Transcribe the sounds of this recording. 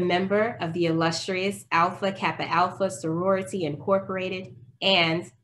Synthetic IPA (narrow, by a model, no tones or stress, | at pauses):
mɛ̃mbə˞ʔʌvðiɨlʌstɹ̥iɨsælˠfɨkʰæpɨʔælˠfəsə˞ɔɹɨɾiɨ̃nkʰɔɹpə˞eɪɾɪɾʔɨ̃n